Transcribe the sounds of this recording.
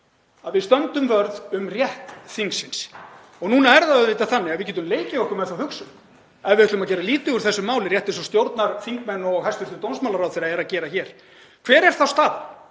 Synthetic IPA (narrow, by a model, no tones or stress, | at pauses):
aðvɪðst̪œnt̪ʏmvœɾðʏmrjɛht̪θiŋksɪns | ɔɣnuːnaɛɾðaðœðveːt̪aθanːɪavɪc̬ɛːt̪̬ʏmleːjcɪɔhkʏmɛðθawhʏksʏ | ɛðvɪɾɛhkt̪ʏmaðc̬ɛːɾaliːt̪ʏɣʏɾ̥θɛsːʏmaːwlɪrjɛht̪ɪnsɔst̪jowɾt̪naɾθiŋkmɛnːɔɣhast̪ʏɾt̪ʏt̪ownsmawlaɾawθɛjɾaɛɾaðcɛːɾaçɛːɾ̥ | kʰv̥ɛːɾɛɾ̥θawst̪aːl